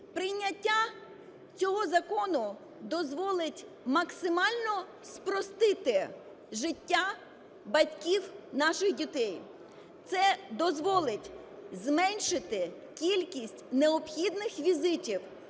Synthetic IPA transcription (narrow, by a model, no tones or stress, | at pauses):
pɾɪjnʲːɐtʲːa | t͡sʲɔɦɔzɐkɔnʊ | d̪ɔzʋɔlˠɪtʲ | mɐksɪmɑlʲnɔ | spɾɔst̪ɪt̪ɪ | ʒɪtʲːa | bɐtʲkʲiwnɑʃɪxdʲit̪ɛj | t̪sɛd̪ɔzʋɔlˠɪtʲ | zmɛnʲʃɪt̪ɪ | kʲilʲkʲisʲtʲneɔpxʲid̪nɪxʋʲizɪtʲiw